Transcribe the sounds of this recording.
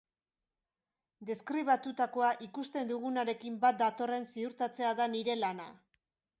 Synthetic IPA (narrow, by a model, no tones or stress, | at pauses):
d̪e̞skɾiβ̞at̪ut̪ako̞aʔikust̪e̞nd̪uɣ̞unaɾe̞kimbat̪̚d̪at̪o̞re̞nsiuɾt̪at͡se̞aðaniɾe̞lana̰